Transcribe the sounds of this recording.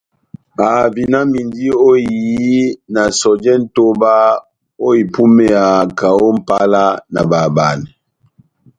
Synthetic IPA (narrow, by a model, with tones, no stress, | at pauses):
a˨vi˨na˦mi˨ndi˦o˦i˨ji˦na˨sɔ˨d͡ʒɛ˦n̩˦to˦ba˦ | o˦i˨pu˦mɛ˦a˨ka˨o˦m̩˦pa˦la˦na̰˨ba˨ba˨nɛ˨